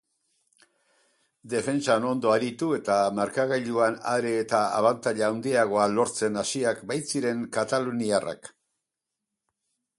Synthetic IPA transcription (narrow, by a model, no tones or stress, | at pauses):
d̪e̞fe̞nt͡ʃano̞nd̪o̞aɾit̪ue̞t̪amaɾkaɣaʎuanaɾeːt̪aa̰βant̪aʎaaːwnd̪iaɣ̞o̞alo̞ɾt͡se̞nasiakbajt͡siɾe̞ŋkat̪aluniara̰k